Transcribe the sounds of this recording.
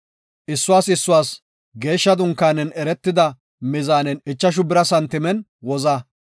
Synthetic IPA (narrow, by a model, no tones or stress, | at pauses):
ʔɪsːʊwaːsɪsːʊwaːs | ɡe̞ːʃːɐd̪ʊŋkːaːnɛnɛɾɛt̪ːɪd̪ɐ | mɪzaːnɛnɪt͡ʃːɐʃ̬ʊbɪɾɐsɐnt̪ɪmɛn | wɔzɐ